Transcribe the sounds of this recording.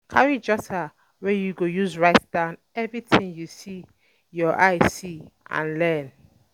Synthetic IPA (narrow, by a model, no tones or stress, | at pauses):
kʰaɹid͡ʒɔtʰa | wɛjuɡojuzɹaɪtd̥ãʊ̃n | ɛvɹitĩŋjusi | jɔʔaɪsiʔã̰nlɛn